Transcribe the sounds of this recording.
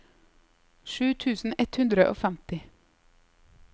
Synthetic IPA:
ʃʉːt̪ʰʉːsn̩ɛt̪hʉnd̪ɾəʔo̰ːfæmt̪ɪ

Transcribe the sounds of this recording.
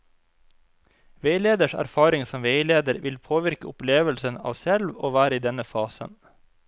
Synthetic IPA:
ʋeɪleːd̪əʃæ̰ɾfɑːɾɪŋsɔmʋeɪleːd̪əɾʋʔɪlpʰoːʋɪɾkəʊpleːʋəlsənɑ̰ːʋsɛlʋo̰ːʋæːɾəiːd̪ɛnəfɑːsə̰n

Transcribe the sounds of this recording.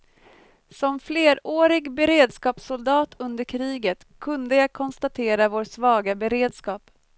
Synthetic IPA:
sɔmfleːɾoːɾɪɡbɛɾeːd̪skɑːpsʊld̪ɑːt̪ʰɵnd̪əɾkʰɾiːɡət̪kʰɵnd̪əjɑɡkʰɔnst̪at̪ʰeːɾavoːɾsvɑːɡabɛɾeːd̪skɑːp

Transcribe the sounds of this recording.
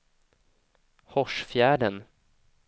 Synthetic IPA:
hɔʂfjæːɖən

